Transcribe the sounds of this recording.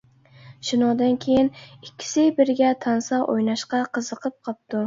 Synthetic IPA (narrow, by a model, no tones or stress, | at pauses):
ʃɪnɒd̪ankʲʰejɪnɪkʲːɪ̥sɪjbɪɾɡʲat̪ʰansaʔo̰jnaʃqɑqʰɨzɨqʰɨp̚qʰɑp̚d̪̥ʊ